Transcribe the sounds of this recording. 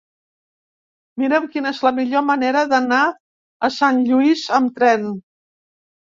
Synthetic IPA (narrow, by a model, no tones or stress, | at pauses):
miɾɛwkinəezləmiʎoməneɾəðəna | əsanʎuizəmt̪ɾɛn